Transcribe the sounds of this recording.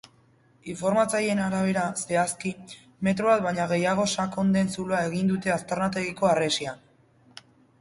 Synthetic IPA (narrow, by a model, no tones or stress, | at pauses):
iɱfo̞ɾmat͡saje̞naɾaβ̞e̞ɾase̞aski | me̞t̪ɾoβat̪βajɲaɣ̞e̞jaɣ̞o̞sako̞nd̪e̞nsuloae̞ɣind̪ut̪e̞ast̪eɾnat̪e̞ɣiko̞are̞sian